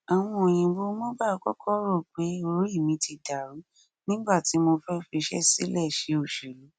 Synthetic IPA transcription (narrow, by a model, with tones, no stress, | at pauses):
a˨w̃ɔ̃˧o˨j̃ĩ˧bo˦mo˦ba˦˧kɔ˦kʰɔ˦ɾo˦˨k͡pe˨˦o˧ɾo˨˦i˦˨mĩ˨˦tʰi˧da˨ɾu˨˦ | nĩ˦ɡ͡ba˦˨ti˨˦mo˧fɛ˦fi˧ʃɛ̰˦si˦lɛ˦˨ʃe˨˦o˨ʃe˨lo˨˦